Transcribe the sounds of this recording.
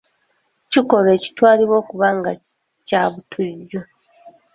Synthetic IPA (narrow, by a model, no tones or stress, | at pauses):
ciko̞le̞ːci̥twaːliβo̞ːkuβaːŋɡa | caːβutʰuɟːo